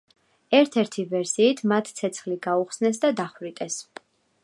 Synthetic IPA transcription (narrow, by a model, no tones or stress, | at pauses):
ɛɾt̪ʰɛɾt̪ʰivɛɾsiːt̪ʰmat̪ʰt̪sʰɛt̪sʰχliɡauχsnɛs̬d̪ad̪aχwɾit̪ʼɛs